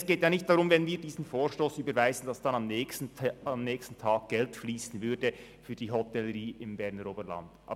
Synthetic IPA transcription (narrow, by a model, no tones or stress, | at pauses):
sɡ̥eːtjaːnɪçt̚d̥aːɾʊmvɛnviːdiːzn̩foːɹʃtoːsyːbəɾvaɪzn̩d̥ɑsd̥ɑnɑmn̩ː | ɑmnɛːçstn̩tʰaːɡ̥̚ɡ̥ɛltfliːsn̩vʏɾdə | fyːdiːɦɔtɛləɾiːʔɪmbɛɐʁnəɾoːbəla̰nd̥ɑ̰ː